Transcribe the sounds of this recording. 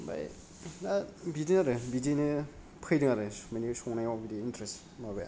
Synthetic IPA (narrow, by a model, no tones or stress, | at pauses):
ba̰j | abidinaɾɯbidinɯ | pʰɯjdɯŋaɾɯsmenisɔŋnajabidiːntɾes | mabaj̰